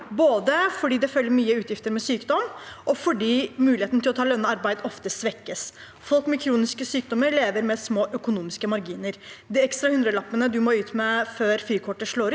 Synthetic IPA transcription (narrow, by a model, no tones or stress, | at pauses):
boːd̪əfɔɖiːd̪ɛfœlːəɾmyːəʉːt̪jɪft̪əɾmɛsyːkd̪ɔmʔɔfɔɖiːmʉːlɪeːt̪nt̪ɪlɔt̪ʰɑːlœnːəɑɾbæɪd̪ɔft̪əsʋɛkːəs | fɔlˠkmɛkʰɾuːnɪskəsyːk̚d̪ɔmːəɾɭeːʋəɾmɛsmoːʔœkʊnuːmɪskəmɑɾɡiːnəɾd̪iɛkst̪ɾɑhʉnd̪ɾəlɑpːənəd̪ʉmɔʉːt̪mɛføːɾfɾiːkʰɔʈːəʂɭoːɾ